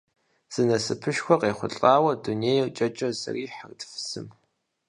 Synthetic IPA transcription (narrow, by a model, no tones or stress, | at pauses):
z̥ɨnɐsɨpʰɨʃxʷɔqʼeːχʷʊ̰ɬʼaːwɐduneːjt͡ʃʼɐt͡ʃʼɐzɐ̰riːħərtfɨ̥sɨm